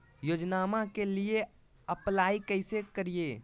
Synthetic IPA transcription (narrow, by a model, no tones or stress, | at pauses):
joːd͡ʒnaːmakelie | əplaːikəɪsekəɾije